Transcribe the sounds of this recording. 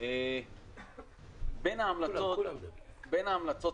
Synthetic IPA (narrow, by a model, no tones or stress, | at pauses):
e | benaːmlat͡sot̪benaːmlat͡so